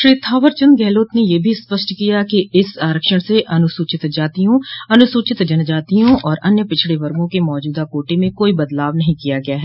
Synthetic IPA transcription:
ʃɾiːt̪ʰaːʋəɾt͡ʃə̃nd̪ɡɛːloːt̪nejeːbʱispəʃʈkijakiɪsaːɾəkʃəɽ̃seʔɐnʊsuːt͡ʃɪt̪d͡ʒaːt̪ijõɐnʊsʊːt͡ʃɪt̪d͡ʒɐnd͡ʒaːt̪iõʔɔːɾɐnjəpɪt͡ʃʰɽeʋɐɾɡõkemɔːd͡ʒuːd̪akoːʈemẽkoːibɐd̪laːʋnɐɦĩkijaɡɐjaɦɛː

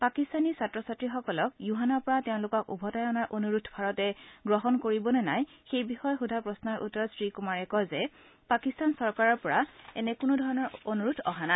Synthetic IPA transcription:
pakistanisatɹɔsatɹixɔkɔlɔk̚juɦanɔɹpɔɹatɛʊ̃lʊkɔkṵbʱɔtajɔnaɹʔonuɹutʰbʱaɹɔtɛɡɹɔɦɔnkoɹibɔnɛnajxejbixɔjxudʱapɹɔsnaɹʔṵtːɔɹɔsɹikumaɹɛkɔjzɛ | pakistansɔɹkaɹɔɹpɔɹaɛ̰nɛkʊnʊdʱɔɹɔnɔɹonuɹutʰɔɦana

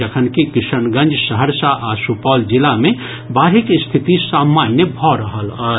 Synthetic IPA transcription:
əkʰənkikisənɡə̃nd͡ʒsəɦəɾsaʔasupɔld͡ʒilamẽ | baːɾikst̪ʰit̪isamːanjəbʱɔɾəɦəlɔːɾ

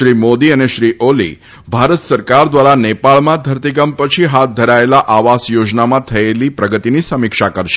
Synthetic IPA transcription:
ʃɾimod̪iəneʃɾiʔolḭ | bʱaɾət̪səɾkaɾd̪ʋaɾanepaɭmãd̪ʱəɾt̪ikəmpət͡ʃʰiɦat̪̚d̪ʱəɾaelaʔaʋasjod͡ʒnamãt̪ʰəelipɾəɡət̪inisəmɪkʃakəɾʃe̥

